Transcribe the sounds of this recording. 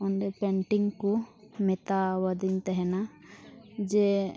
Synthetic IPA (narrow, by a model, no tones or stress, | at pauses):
ɔnɖɛpɛɳʈiŋku | mɛt̪awəd̪iɲt̪ɛɦɛna | d͡ʒɛ